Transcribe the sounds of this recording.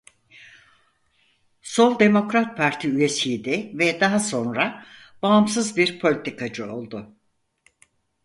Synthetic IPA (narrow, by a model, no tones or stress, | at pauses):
so̞lˠd̪e̞mo̞kɾat̪̚pʰaɾt̪ʰiyje̞sijd̪ɛvɛd̪aɦaso̞nɾa | baːmsɯzbiɾpʰo̞lʲit̪ikʰad͡ʒɯo̞̰lˠd̪ʊ